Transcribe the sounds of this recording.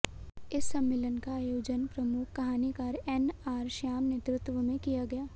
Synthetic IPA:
ɪsːɐ̃mːɪːlənkaːjoːd͡ʒənpɾɐmʊkʰkɐɦaːnikaːɾɛnaːɾʃaːmnet̪ɾʊt̪ʋəmẽkijaɡɐjaː

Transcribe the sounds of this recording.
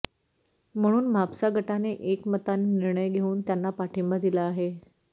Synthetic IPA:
m̤əɽ̃uːnməapsaɡʱəʈaneʔekmət̪aniniɾɳəjɡʱeuːnt̪janːapaʈʰimbəd̪ilaːɦe

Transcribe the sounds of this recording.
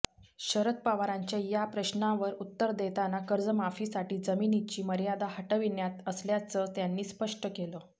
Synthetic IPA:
ɕəɾət̪̚paʋaɾaɲt͡ɕjajapɾəɕnaʋəɾut̪ːəɾd̪et̪anakəɾd͡zəmafiːsaʈiːd͡zəminit͡ɕiːməɾjad̪ahəʈəʋinjat̪əsljat͡sət̪janːiːspəʂʈəkelə

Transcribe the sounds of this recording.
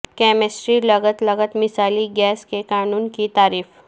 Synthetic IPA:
kɛmesʈɾiːləɡət̪ləɡət̪misaliɡɛskekanuːnkit̪aɾiːf

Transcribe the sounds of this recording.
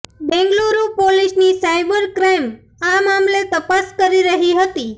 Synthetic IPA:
bɛ̃ŋɡloɾupoliʃnisajbəɾkɾem | amamlet̪əpaskəɾiɾəɦiɦət̪i

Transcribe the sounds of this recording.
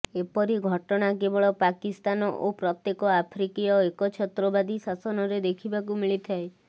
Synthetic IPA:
epɔɾiɡʱɔʈɔɽ̃akebɔɭɔpakist̪anɔʔopɾɔt̪jekɔapʰɾikijɔekɔt͡ʃʰɔt̪ɾɔbad̪isasɔnɔɾed̪ekʰibakumiɭit̪ʰae

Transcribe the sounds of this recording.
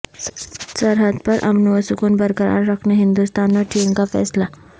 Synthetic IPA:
səɾɦəd̪pɐɾʔɐ̰mnuʋəsʊkuːnbəɾkəɾa̰ːɾɾəkʰneɦɪ̃nd̪ust̪aːnʋeʈʰiːŋkafɛ̰ːsla

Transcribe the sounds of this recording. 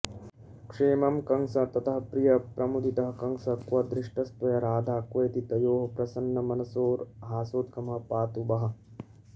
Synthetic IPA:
kʂeːmɐmkɐŋsɐt̪ɐt̪ɐɦɐpɾijɐpɾʔɐmud̪ʱit̪ɐɦɐkɐŋsɐkʋɐd̪ɾɪʂʈɐst̪ɐjɐɾaːd̪ʱaːkʋɐjt̪it̪ɐjoːɦɐpɾɐsɐnːɐmɐnɐsoːɾɦaːsoːt̪̚kɐmɐɦɐpaːt̪ubɐɦɐ̆

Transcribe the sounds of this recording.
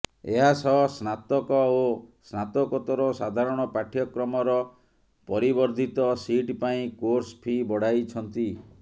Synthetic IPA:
eɦasɔsnat̪ɔkɔosnat̪ɔkɔt̪ɔɾɔsad̪ʱaɾɔɽ̃ɔpaʈʰjɔkɾɔmɔɾɔ | pɔɾibɔɾd̪ʱit̪ɔsiʈpaĩkoɾspʰibɔɽ̤ajt͡ʃʰɔnt̪i

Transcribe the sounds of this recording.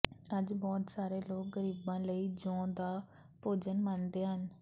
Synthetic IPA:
əd͡ʒbɔːt̪saːɾeːloːk̚ɡəɾiːbãːləiːd͡ʒõːd̪aː | poːd͡ʒənmãːnd̪eːɦən

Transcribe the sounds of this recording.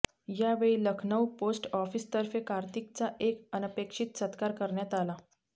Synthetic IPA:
jaʋeɭiːləkʰnəwposʈɔfiːst̪əɾfekaɾt̪ik̚t͡saʔekənpekʂit̪sət̪kaɾkəɾɳjat̪ala

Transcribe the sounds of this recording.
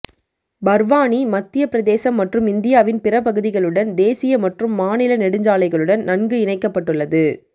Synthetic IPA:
bɐɾʋaːnimɐt̪ːɪjɐpɪɾɐðeːsɐmːɐʈrɯmɪnd̪ɪjaːʋɪnpɪrɐpɐɣɯðɪɣɐɭɯɽɐnd̪eːsɪjɐmɐʈrɯmːaːnɪlɐnɛɽɯɲd͡ʒaːlɐɪɣɐɭɯɽɐnnɐnɡɯɪnɐɪkːɐpːɐʈːɯɭːɐðɯ

